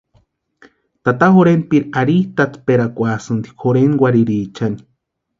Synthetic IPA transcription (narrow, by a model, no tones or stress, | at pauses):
t̪at̪aɦoɾenpiɾaɾiht̪at̪peɾakʷasɨnd̪i̥khoɾenwaɾiɾiːt͡ʃani̥